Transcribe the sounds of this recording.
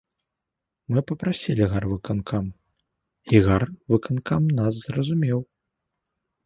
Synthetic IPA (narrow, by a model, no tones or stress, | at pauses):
mɨpɐpɾasʲilʲiɣarvɨkankʰam | iɣarvɨkankamnas̬zrɐzumʲɛw